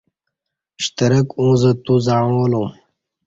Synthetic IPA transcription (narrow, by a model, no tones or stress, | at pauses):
ɕt̪ɐɾəkõːzət̪uzaːõlõː